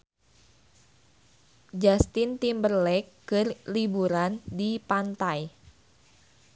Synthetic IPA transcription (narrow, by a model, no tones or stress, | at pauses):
d͡ʒast̪ɪnt̪imbərlɛkːərlibuɾandipant̪aj